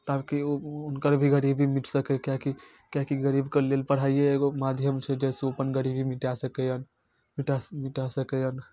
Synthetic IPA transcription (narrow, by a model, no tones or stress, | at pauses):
t̪akiounkəɾbʱiɡəɾibʱimiʈsəkɛkjaki | kjakiɡəɾibkəlelpəɽ̤ajeːɡomad̪ʱjəmt͡ʃʰɛd͡ʒɛseopənɡəɾibʱimiʈasəkɛjən | miʈamiʈasəkɛjən